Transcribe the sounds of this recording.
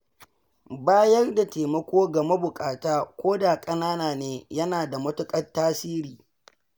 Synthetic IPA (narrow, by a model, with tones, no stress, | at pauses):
baː˦jɐ˦rda˨teː˨mɐ˦kʷoː˦ɡɐ˨mɐ˦bʊ˨kʼaː˨taː˦kʷoː˦da˨kʼɐ˦naː˦naː˨neː˦jɐ˦naː˨da˨mʊ˦tʊ˦kʼɐ˦tːaː˦siː˦ɾiː˨